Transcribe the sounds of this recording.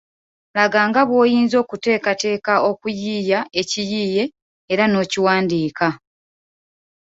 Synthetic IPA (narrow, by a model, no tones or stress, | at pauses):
laɡaːŋɡaβwo̞ːjiːnzo̞ːkute̞ːkate̞ːkao̞kujiːjae̞cijiːje̞ | eɾano̞ːciwaːndiːka